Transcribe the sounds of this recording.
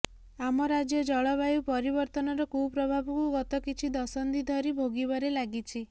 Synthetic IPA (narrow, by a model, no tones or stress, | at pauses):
amɔɾad͡ʒjɔd͡ʒɔɭɔβajupɔɾibɔɾt̪ɔnɔɾɔkupɾɔbʱabɔkuɡɔt̪ɔkit͡ʃʰid̪ɔsɔnd̪id̪ʱɔɾibʱoɡibɔɾelaɡit͡ʃʰi